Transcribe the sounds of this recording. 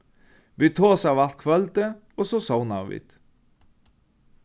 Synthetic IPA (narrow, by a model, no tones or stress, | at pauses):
ʋiːt̪ʰoːsɑːʋɑlt̪̚kʰʋœlt̪ə | ɔsɔsɔʊnɑ̰ːʋɪ̰t̪